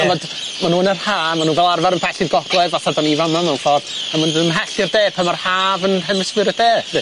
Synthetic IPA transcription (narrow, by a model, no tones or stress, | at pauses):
ɔvɔd | manuːnərhaːmanuːvɛlˠarvaɾənpʰɛɬɪɡɔɡ̥lˠɛvaθadɔnivanmamaunfɔrd̥amandənəmɦɛɬɪrdeːpʰəmarhaːvənhɛməswɪɨɾəd̥eːnɪ